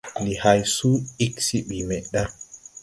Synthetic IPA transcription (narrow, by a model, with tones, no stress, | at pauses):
lihajsu˦i˦ksi˦ɓimɛɗa˦